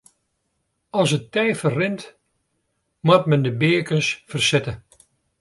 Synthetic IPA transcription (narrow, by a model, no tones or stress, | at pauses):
ɔlˠsətɛjfərrɪnt | mat̚mɛndəbɪəkənsfərsɪtə